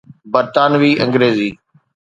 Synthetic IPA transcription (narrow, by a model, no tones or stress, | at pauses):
bəɾt̪aːnʋiːʔə̃ŋɡɾeːziː